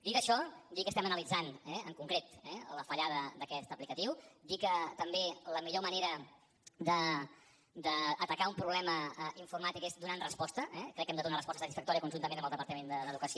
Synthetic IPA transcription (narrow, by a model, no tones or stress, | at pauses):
d̪ikəʃɔd̪ikəst̪ɛmənəlid͡zanɛəŋkuŋkɾet̪ɛləfəʎaðəd̪əkɛst̪əplikət̪iwd̪ikət̪əmbeləmiʎoməneɾə | d̪ə | d̪əːt̪əkaumpɾuβlɛməiɱfurmat̪ikezd̪unanrəspɔst̪əɛkɾɛkːɛmd̪əðunarəspɔst̪əsət̪isfək̚t̪ɔɾjiəkunʒunəmenəmblˠðəpəɾt̪əmend̪əd̪əðukəsio